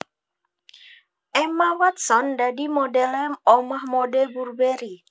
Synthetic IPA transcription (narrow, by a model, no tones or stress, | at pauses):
ɛmawat̪̚sɔndadimɔdɛlɛmɔmahmɔdɛburbeɾi